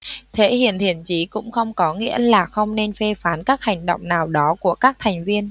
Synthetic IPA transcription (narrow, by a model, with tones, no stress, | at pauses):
t̪ʰe˧˨˦hḭ˧˨ənt̪ʰḭ˧˨ənt͡ɕi˨˦kʊ̰˧˥ŋ͡mxə˧wŋ͡mkɔ˨˦ŋḭ˧˥əlaː˨˩xə˧wŋ͡mne˧nfe˧faː˨˦nkaː˦˥k̚ha˨˩ŋ̟ɗə̰˧˨wŋ͡mnaː˨˩wɗɔ˨˦ku˧˩əkaː˦˥k̚t̪ʰɛ˨˩ŋ̟vi˧ən